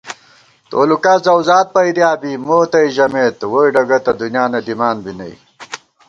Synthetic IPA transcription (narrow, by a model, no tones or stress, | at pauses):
t̪oːlukɐzɐwzaːt̪̚pɐjd̪jaːbimoːt̪ɐiʑɐmeːt̪woiɖɐɡɐt̪ɐd̪unjaːnɐd̪imaːnbinɐ̰j̰